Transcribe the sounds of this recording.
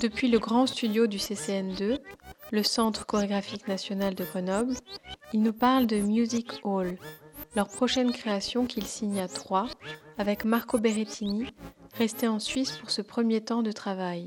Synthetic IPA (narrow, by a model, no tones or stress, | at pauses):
d̪̥əpɥiləɡʁɑ̃st̪yd̪jod̪yseseɛnd̪øləsɑ̃t̪χə̥kɔʁeɡʁafiknasjɔnald̪əɡʁənɔblilnupaʁld̪əmjuzikollœʁpχɔʃɛnkχeasjɔ̃kilsiɲat̪χwaavɛkmaʁkobeʁet̪ʰiniʁɛst̪eɑ̃sɥispuʁsəpχəmjet̪ɑ̃d̪ət̪χavaj